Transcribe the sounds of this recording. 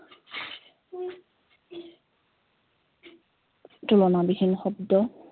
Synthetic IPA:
tulɔnabihinːɔxɔb̚dɔ

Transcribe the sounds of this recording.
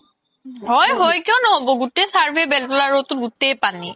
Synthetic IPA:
ɦɔjɦɔjkijɔ̃nɔɦobɔɡutejsaɹbʱebɛltɔlaɹotʊdutejpani

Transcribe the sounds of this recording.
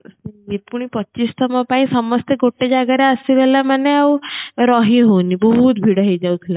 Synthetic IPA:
ipuɳ̃ipətːt͡ɕist̪ʰəməpãĩsəmɔst̪eɡoʈːed͡ʑaɡaɾjaəsiʋɛlamanːeauɾɔɦĩɦonibəɦut̪bʱiɽaɦid͡ʑawt̪ʰiɾ

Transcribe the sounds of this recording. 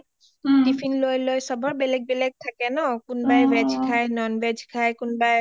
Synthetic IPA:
dipʰinlojlojsɔbʱɔɹbɛlɛɡ̚bɛlɛɡ̚t̪ʰakɛnɔkunbajbɛd͡ʒʱkʰajnɔnbɛd͡ʒʱkʰajkunbaj

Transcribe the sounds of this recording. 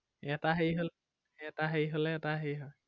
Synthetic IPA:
ɛtaɦejɦol | ɛtaɦejɦolɛːtaɦejɦɔ

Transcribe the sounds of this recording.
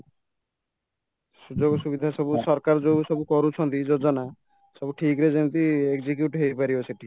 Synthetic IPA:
sud͡ʒoɡɔsubid̪ʱasɔbusɔɾkaɾd͡ʒosɔbukɔɾut͡ʃʰɔnt̪id͡ʒod͡ʒɔna | sɔbuʈʰikɾed͡ʒent̪iekzik̬juʈɦejpaɾibɔseʈi

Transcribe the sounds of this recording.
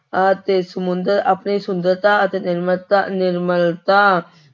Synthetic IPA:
ət̪esəmʊ̃nd̪əɾapɳesʊ̃nd̪əɾt̪aət̪enɪɾmət̪anɪɾməlt̪a

